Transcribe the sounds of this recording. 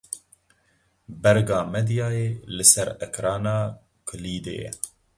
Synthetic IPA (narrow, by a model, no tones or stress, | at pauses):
bɛɾɡɑːmɛd̪ijɑːjeːlɨsɛɾɛkɾɑːnɑː | kʰɨliːd̪ḛːjɛ̰